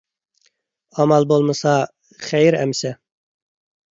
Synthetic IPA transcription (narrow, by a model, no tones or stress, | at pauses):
ɑmɑlˠbolˠmɨsɑ | χæjɾæ̰msɛ